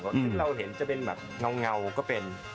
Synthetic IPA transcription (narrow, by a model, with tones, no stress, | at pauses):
ŋo̰˨˧˩t̪i˨˦ŋlə˧wɦḭ˧˨ənt͡ɕɔ˧ɓe˧nma̰˨˩t̚ŋa˧˩wŋa˨˩wkɔ˨˦ɓe˨˧˩n